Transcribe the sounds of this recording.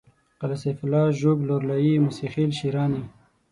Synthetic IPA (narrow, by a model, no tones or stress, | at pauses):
qalaseflɑːʒoːɡloɾlajimusixilʃiɾɑːni